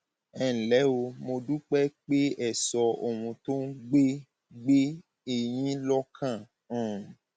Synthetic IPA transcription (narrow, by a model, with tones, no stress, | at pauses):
ɛ̃˨lɛ˨˦o˧mo˧du˦k͡pɛ˦k͡pe˦ɛ˦˨sɔ˧o˨wũ˧to˦n̩˦ɡ͡be˦ | ɡ͡be˦ | e˨j̃ĩ˦lɔ˦kʰã˦˨˦